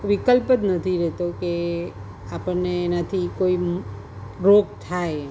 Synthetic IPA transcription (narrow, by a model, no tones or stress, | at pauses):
ʋikəlpət̪nət̪ʰiɾɛɦt̪oke | apəɾneːnat̪ʰikoi | ɾoɡt̪ʰae